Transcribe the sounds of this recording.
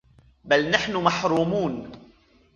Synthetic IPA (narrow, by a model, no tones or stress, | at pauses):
balnaħnʊmaħɾuːmuːn